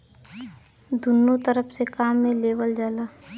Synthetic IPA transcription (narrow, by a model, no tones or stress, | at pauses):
d̪ʊnːot̪əɾəpʰsekaːmːẽleːwəld͡ʒaːlaː